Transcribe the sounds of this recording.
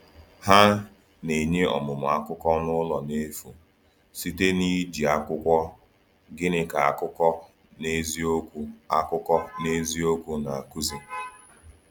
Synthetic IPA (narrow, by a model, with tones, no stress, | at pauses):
ha˦ | ne˨ɲe˦ɔ̰˨mʊ˨m˨a˦kʊ˦kɔ˦nʊ˦lɔ˨ne˦fu˨ | si˦te˦ni˦d͡ʒi˨a˦kʷʊ˦kʷɔ˦ | ɡɪ˦nɪ˦ka˨a˨kʊ˦kɔ˦ | ne˦zi˦o˦kʷu˦a˦kʊ˦kɔ˦ne˦zi˦o˦kʷu˦na˨a˨ku˦zi˨